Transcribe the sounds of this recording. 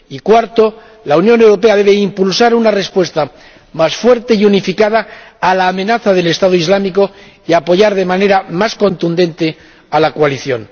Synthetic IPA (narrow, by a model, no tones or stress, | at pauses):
ikwaɾt̪o̞ | launjo̞ne̞wɾo̞pe̞aðe̞βe̞impulsaɾunare̞spwe̞st̪a | masfwe̞ɾt̪eiunifikað̞aːlaːmẽ̞naθaðe̞le̞st̪aðoizlamiko̞ | iapo̞ʝaɾðe̞mane̞ɾamasko̞nt̪und̪ẽ̞nt̪e̞ | alakwaliθjo̞̰n